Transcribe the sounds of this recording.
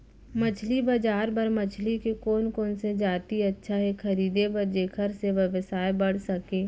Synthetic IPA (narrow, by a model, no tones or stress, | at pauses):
mɐt͡ʃʰlibɐd͡ʒaːɾbɐɾmɐt͡ʃʰlikekoːnkoːnsed͡ʒaːt̪iɐtːʃʰaɦɛxɐɾiːd̪ebɐɾd͡ʒeːkʰəɾseʋɐʋəsaːebɐɽ̤sɐkẽː